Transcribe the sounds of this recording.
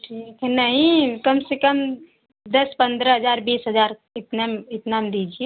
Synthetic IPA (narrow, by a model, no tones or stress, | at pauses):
ʈʰiknəɦĩkəmsekəm | d̪əspənd̪ɾəɦəd͡ʒaɾbisɦəd͡ʒaɾɪt̪namɪt̪namd̪id͡ʒie